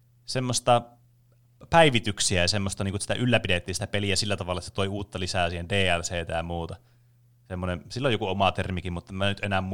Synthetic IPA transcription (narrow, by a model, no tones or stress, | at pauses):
semːost̪ɑ | pæiʋit̪yksiæjɑsemːost̪ɑniːŋkusit̪æ̰ʔylːæpidet̪ːiːnsi̥t̪æpeliæsilːæt̪ɑʋɑlːˑɑset̪oiuːt̪ːɑlisæːˑsiːhendeːælseːt̪æjɑmuːt̪ɑ | semːonensilːojokuomɑt̪ermikimmut̪ːemænyt̪ʔenæmmu